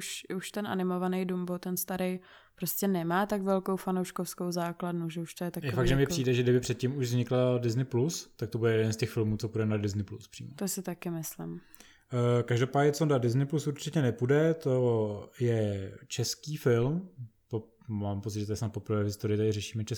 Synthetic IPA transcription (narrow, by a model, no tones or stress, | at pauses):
uʃuʃt̪ɛnʔa̰nɪmo̞vanɛjduːmbot̪ɛnst̪aɾɛj | pɾoscɛnɛmaːt̪aɡvɛlko̞wfanowʃkofskowzaːkladnuʒɛuʃt̪ojɛt̪akjɛfaɡʒɛmɲɛpr̥iːdɛʒɛɡdɪbɪpr̝̥ɛt̪̚cimuʒvzɲɪkldɪznɪplust̪ak̚t̪obudɛjɛdɛnstɛxfɪlmuːt͡sopudɛnadɪznɪpluspr̥ḭːmot̪osɪt̪akɪmɪslɪ̰m | kaʒdopaːɟɲɛt͡sodadɪznɪplusuɾt͡ʃɪcɛnɛpudɛt̪ojɛt͡ʃɛskiːfɪlmt̪o | maːmpott͡sɪt̪ʒɛt̪ojɛsnat̪̚po̞pɾvɛːvɦɪst̪oɾɪt̪adɪrɛʃiːmɛt͡ʃɛs